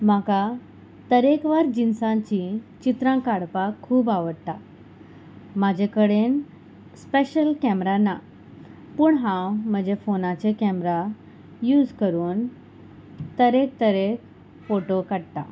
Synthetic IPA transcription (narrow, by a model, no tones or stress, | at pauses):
m̤aka | t̪əɾekʋaɾd͡ʑinsãt͡ɕit͡ɕit̪ɾãkaɽpakʰːuːbaʋəɽt̪a | mad͡ʑʱekəɽen | speɕəlkɛmɾana | puːɳɦãwm̤əd͡ʑefonat͡ɕekɛmɾa | juːd͡zkəɾuːn | t̪əɾek̚t̪əɾek | foʈokaɽt̪a̰